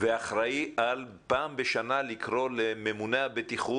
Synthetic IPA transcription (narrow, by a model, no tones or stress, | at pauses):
veaχɾaiʔal | paːmbeʃanalikʁo̞leme̞muneabet̪iχu